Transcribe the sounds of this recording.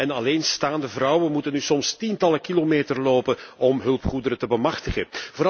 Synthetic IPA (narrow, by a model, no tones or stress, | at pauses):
ɛnɑleːnstaːndəvrʌwənmutənːysɔmstintɑləkilomeːtərloːpənɔmɦɵlˠpχudəɾətəbəmɑxtəɣəvoːɾ